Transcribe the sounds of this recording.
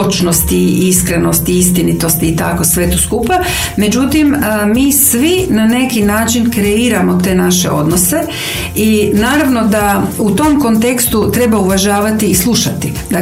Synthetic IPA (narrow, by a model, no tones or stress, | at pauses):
ot͡ʃnost̪iiskɾeno̞st̪iist̪init̪o̞st̪iːt̪a̰ko̞sʋe̞t̪oskupa | me̞d͡ʒut̪iməmiːsʋinane̞kinaːt͡ʃinkɾeiːɾamo̞t̪e̞ːnaʃe̞̰ʔo̞d̪no̞se̞ | inaːɾaʋno̞d̪aut̪o̞mko̞nt̪e̞kst̪ut̪ɾe̞bauʋaʒaːʋat̪iːslˠuʃat̪i | d̪a